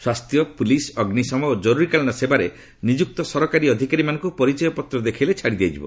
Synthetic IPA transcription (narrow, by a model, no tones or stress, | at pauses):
swast̪ʰjɔpulisɔɡnisɔmɔod͡ʒɔɾuɾikalɔnɔsebaɾe | nid͡ʒuk̚t̪ɔsɔɾɔkaɾiɔd̪ʱikaɾimanɔ̃ŋkupɔɾit͡ʃɔjɔpɔt̪ɾɔd̪ekʰilet͡ʃʰaɽid̪iajd͡ʒibɔ̰